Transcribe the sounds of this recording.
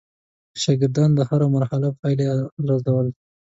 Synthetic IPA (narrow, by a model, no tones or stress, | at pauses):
ʃɑɡɪɾd̪ɑnd̪əhaɾamaɾhalapɑjleɾazawəl